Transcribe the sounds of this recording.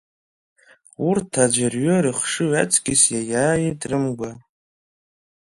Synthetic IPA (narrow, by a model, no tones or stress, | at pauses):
urtʰad͡ʒʷarɥoɾɨχʂɨɥat͡sʰʼɡʲɪsjajaːjidrɨmɡʷa